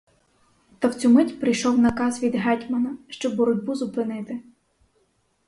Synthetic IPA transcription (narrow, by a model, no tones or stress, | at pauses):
t̪ɐwt͡sʲumɪtʲpɾɪjʃɔwnɐkɑzʋʲid̪ɦɛtʲmɐnɐʃt͡ʃɔbːɔɾɔdʲbuzʊpɪnɪt̪ɪ